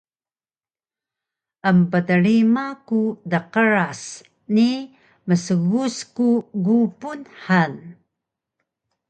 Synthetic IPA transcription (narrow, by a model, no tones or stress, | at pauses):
ʔəmpədəɾimakudəqəɾas | ni | məsəɣuskuɡupunħan